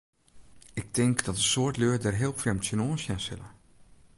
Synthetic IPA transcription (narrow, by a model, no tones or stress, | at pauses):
ɪk̚dɪŋkdɑtəsʊːɹtløːdɛɹɦɪːlˠfremtsənosjãsɪ̰lə